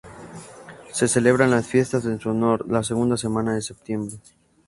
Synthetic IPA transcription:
se̞se̞le̞βɾanlasfje̞st̪azensuonoɾlas̬eɣ̞und̪ase̞mãnaðe̞se̞p̚t̪je̞mbɾe̞

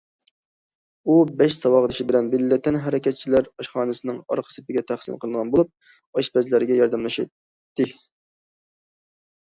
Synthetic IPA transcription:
ubɛʃsɑwɑʁəd̪ɨʃibɪlɛnbɪlːɪt̪ʰːɛnɦɛɾɛkʲɛt̪̚t͡ʃʰilæɾɑʃχɑːnɨsɨnɪŋɑ̰ɾqʰə̥sɪ̥pɪɡʲɛt̪ʰæχsɪ̰mqʰəlˠɨnʁɑnbolˠup̚ | ɑʃpɛzlæɾɪɡʲɛjɑɾd̪ɛmlˠɨʃɑ̰ | t̪ːɪ

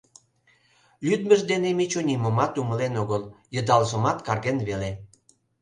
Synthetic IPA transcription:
lyd̪mə̆ʒd̪enemit͡ɕunʲiməmɑt̪umə̆lenoɣəljə̆d̪ɑlʒə̆mɑt̪kɑrɣenβele

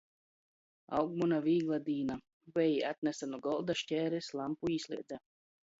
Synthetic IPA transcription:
a̰wɡmunaviːɡlˠad̪iːna | vɛjiat̪̚nɛsanuɡɔlˠd̪aʃtʲɛːɾɛslˠampuiːsʲlʲˠḭɛd̪za

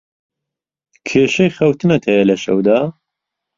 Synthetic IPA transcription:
kʰeːʃɐjxɐwt̪ʰɨnɐt̪ʰhɐjɐlɐʃɐ̰wd̪aː

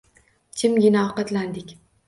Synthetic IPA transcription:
t͡ʃʰɪmɡʲɪnaɒqɑt̪land̪ɪkʲ

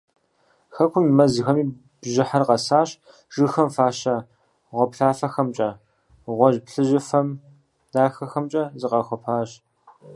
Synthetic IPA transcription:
xɐkʷʰʊmmɐzɨxɐmiː | b̥ʒɪħarqɐsaːɕ | ʒ̥ɨxɐmfaːɕɐ | ʁʷɔpɬaːfɐxɐmt͡ʃʼɐ | ʁʷɔʒpɬɨʒɪfɐm | daːxɐxɐmt͡ʃʼɐzɨqɐxʷɔpʰaːɕ

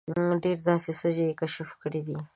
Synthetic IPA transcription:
ɖeɾd̪ɑsesəd͡ʒeekaʃafkəɽid̪i

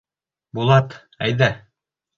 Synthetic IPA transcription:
bulˠɑt̪ | æ̰jðæ

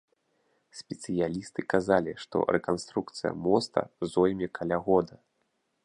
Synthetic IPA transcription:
sʲpʲɛt̪sɨjalʲist̪ɨkazalʲiʂt̪ɔ̰ɾɛkanst̪ɾukt̪sɨjɐ̰mɔst̪ɐ̰zɔjmʲɛkʰalʲaɣɔd̪ɐ

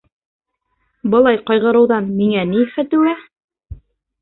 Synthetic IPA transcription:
bɤ̆lˠɑjqɑjʁɤ̆ɾɤ̆wðɑnmiŋænifæt̪ʉæ

